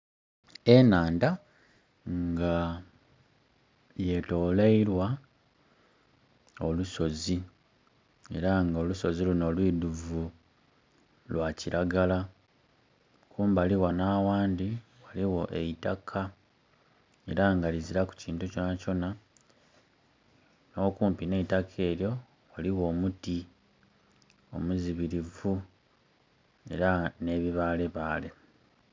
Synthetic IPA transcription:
e̞naːnda | ŋɡa | je̞to̞ːleiɾwa | o̞luso̞zi | e̞̰ɾaŋɡo̞luso̞ziluno̞lwiːduvu | lwaciɾaɡala | kʰuːmbaliwanaːwaːndi | waliwo̞ʔeitakʰa | e̞̰ɾaŋɡaliziɾaku̥ciːntuco̞naco̞na | no̞ːkuːmpine̞itakʰe̞ːɾjo̞ | waliwo̞ːmuti | o̞̰muziβiɾivu | e̞̰ɾane̞ːβiβaːle̞βaːle̞

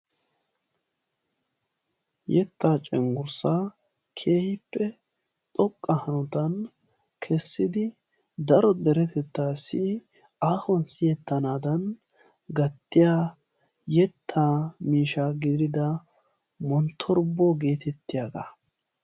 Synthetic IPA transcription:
jɛt̪ːaːt͡ʃʼɛŋɡʊɾsaː | kʰeːhɪpːɛ | t̪ʼɔkʼːɐhɐnɔt̪ɐn | kʰɛsːɪd̪ɪ | d̪ɐɾɔd̪ɛɾɛt̪ɛt̪ːaːsɪ | aːhɔnsɪjɛt̪ːɐnaːd̪ɐn | ɡɐt̪ːɪjaː | jɛt̪ʰːaːmiːʃaːɡɪd̪ɾɪd̪ɐ | mɔnt̪ʰːɔɾbːoːɡe̞ːt̪ɛt̪ːɪjaːɡɐ̰

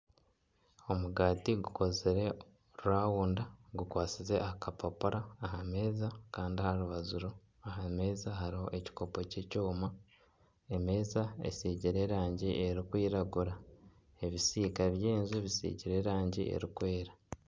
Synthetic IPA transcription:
o̞muɡaːtiɡuko̞zeɾe̞ | ɾuɾaːwuːndaɡukwaːt͡size̞ʔakapapuɾaːɦame̞ːzakaːndiahaɾuβazuɾo | aɦame̞ːzaɦaɾiho̞ʔe̞ci̥ko̞po̞cecoːma | eme̞ːzaḛsiːɟiɾe̞ɾaːɲɟiʔe̞ɾikwiːɾaɡuɾa | e̞βisiːkaβjeːnzuβisḭːɟiɾe̞ɾaːɲɟiʔḛɾikwe̞ːɾa

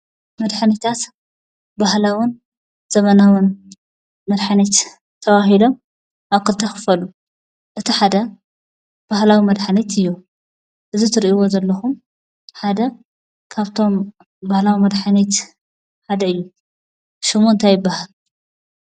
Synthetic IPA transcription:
mɐd̪ħanit̪ʰat̪ | bahlawɨn | z̥ɐmɐnawɨn | mɐd̪ħanet̪ | t̪ʰɐβahilo̞m | ʔaβkʰɨlt̪ʰɐxɨ̥fɐlu | ʔɨt̪ʰiħad̪ɐ | b̥ahlawimɐd̪ħanet̪ɨjːu | ʔɨzit̪ʰɨɾʔiwo̞zɐlːɐxum | ħad̪ɐ | kʰaβt̪ʰo̞m | bahlawimɐd̪ħanet̪ | ħad̪ɐɨjːu | ʃomuɨnt̪ʰajɪbːahal

